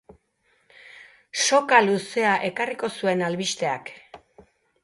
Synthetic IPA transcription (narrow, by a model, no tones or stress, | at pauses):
so̞kaluse̞aʔe̞kariko̞sue̞nalβist̪e̞a̰k